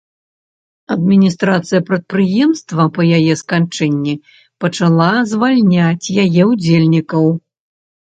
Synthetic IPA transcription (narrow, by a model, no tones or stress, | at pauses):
ɐd̪mʲinʲist̪ɾat̪sɨjɐpɾɐt̪̚pɾɨjɛmst̪vɐpɐjajɛskant͡ʂɛnʲːi | pɐt͡ʂalˠazvalʲnʲat͡sʲjajɛwd͡zʲelʲnʲikɐw